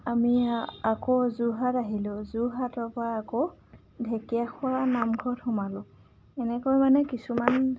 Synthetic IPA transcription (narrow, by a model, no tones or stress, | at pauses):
amiakozuɦataɦilʊzuɦatɔpaako | dʱekijaxʊanamɡʱɔthɔmalʊ | ɛnɛkɔjmanɛkisuman